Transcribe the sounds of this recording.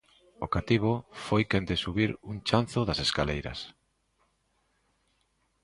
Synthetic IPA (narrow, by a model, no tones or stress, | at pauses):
okat̪iβ̞ofojkend̪esuβiɾuŋt͡ʃan̟θoðaseskalejɾɐ̰s